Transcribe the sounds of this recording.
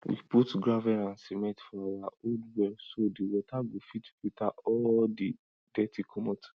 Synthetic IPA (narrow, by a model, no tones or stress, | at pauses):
wḭputɡɹavɛãnsimɛ̃tfɔawaoldwɛlsodiwɔtaɡofitpitaɔldi | dɛtʰikʰɔmɔt